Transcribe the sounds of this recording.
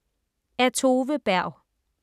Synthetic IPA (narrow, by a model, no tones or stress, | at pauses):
æt͡sʰo̝ːʋəb̥æɐ̰ʊ